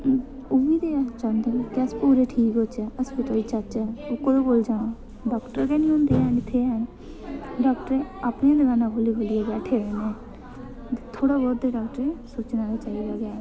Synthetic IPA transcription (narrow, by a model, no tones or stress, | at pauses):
ʊʋiːd̪eːat͡ʃãːnd̪ekɪəspuːɾeːʈʰiːkoːt͡ʃɛːəspɪt̪oːiːt͡ʃat͡ʃɛːokoːiboːld͡ʒaːnaː | ɖɔːkʈəɾkɛːnĩːɦõːnd̪eːɛːnɪt̪ʰːeːɛːn | ɖɔːkʈəɾeapneãd̪əɡaːnãkʰoːliːkʰoːlijebɛːʈʰeːɾeːneː | et̪ʰoːɽaːbɔːd̪eɖɔːkʈəɾẽsoːt͡ʃnaːɾeːt͡ʃaːilaɡaː